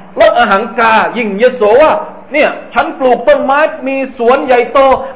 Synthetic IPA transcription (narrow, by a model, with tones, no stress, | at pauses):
lɛ˦˥ʔaː˧ɦaː˩˦nkaː˧ji˧˩ŋjeː˧soː˨˦waː˥˩ | ni˥˩ət͡ɕʰa˦˥npluː˨˩k̚t̪o˧˥˩nmaː˦˥jmiː˧su˩˦ənja˨˩jt̪oː˧˩